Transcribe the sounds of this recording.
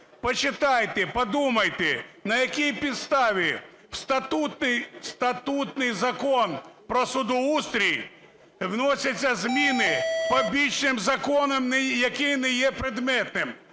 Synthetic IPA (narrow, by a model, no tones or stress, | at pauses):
pɔt͡ʃɪt̪ɑjt̪epɔd̪umɐjt̪enɐjɐkʲijpʲid̪st̪ɑʋʲi | wst̪ɐt̪ut̪nɪjst̪ɐt̪ut̪nɪjzɐkɔnpɾɔsʊd̪ʊust̪ɾʲij | wnɔsʲɐt͡sʲːɐzmʲinɪpɔbʲit͡ʃnɪmzɐkɔnɔmnɛjɐkɪjnɛjɛpɾɪd̪mɛt̪̚nɪm